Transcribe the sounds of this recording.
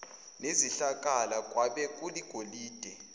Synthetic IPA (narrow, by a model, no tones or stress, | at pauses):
neziɬakʼalakʼwaɓɛkʼuliɡ̥ʱoliːd̥ʱɛ